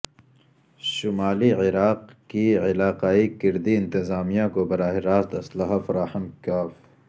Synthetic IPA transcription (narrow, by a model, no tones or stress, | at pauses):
ʃʊmaːliʕɪɾaːqkiʕɪlaːqaːikɪɾd̪iɪ̃nt̪ɪzaːmijãkobɐɾaːɦɪɾaːst̪ɐslɐɦafɐɾaːħənkaːf